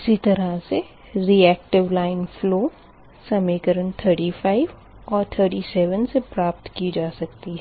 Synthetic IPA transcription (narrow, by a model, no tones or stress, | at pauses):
ɪsit̪ɐɾase | ɾiːɛːk̚ʈɪʋlaːɪnfloː | sɐmeːkəɾənt̪ʰəɾʈiːfaːɪʋ | ɔːɾt̪ʰəːɾʈiːsɛːʋənsepɾaːpt̪kid͡ʒaːsɐk̚t̪iɦɛ